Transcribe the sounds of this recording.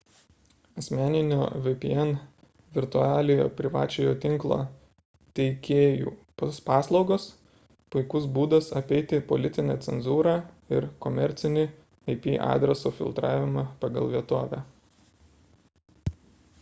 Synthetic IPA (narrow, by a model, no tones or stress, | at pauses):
ɐsʲmʲæːnʲɪnʲo̰ːʋɨpʲiɛn | ʋʲɪɾt̪ʊɑːlʲɪjo̰ːpʲɾʲɪʋɑːt͡ʃʲejoːt̪ʲɪŋklˠo̰ː | t̪ʲɛɪkʲeːjṵːpospɑːslˠɒʊɡoːs | pʊɪkʊsbuːd̪ɐsɐpʲɛɪt̪ʲɪpɔ̰lʲɪt̪ʲɪnʲæt̪sʲɛnzuːɾɑ | ɪɾkɔmʲɛɾʲt̪sʲɪnʲɪ | ɐɪpʲḭːʔɑ̰ːd̪ʲɾʲɛsoːfʲɪ̰lˠt̪ɾɑːʋʲɪmɑpɑɡɐlˠʋʲiɛt̪oːʋʲæ̰ː